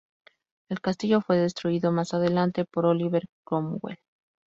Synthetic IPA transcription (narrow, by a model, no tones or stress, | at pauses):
e̞lkast̪iʝo̞fwe̞ðe̞st̪ɾuiðo̞masaðe̞lant̪e̞po̞ɾoliβe̞ɾkɾomwḛl